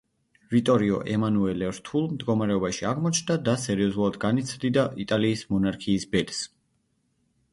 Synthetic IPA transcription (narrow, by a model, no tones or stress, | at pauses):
vit̪ʼɔɾiɔ̰ʔɛmanuɛlɛɾt̪ʰulˠmd̪ɡɔmaɾɛɔbaʃiaʁmɔt͡ʃʰnd̪ad̪asɛɾiɔzulˠad̪ɡanit̪sʰvd̪id̪aʔit̪ʼaliːsmɔnaɾkʰiːsbɛt̪s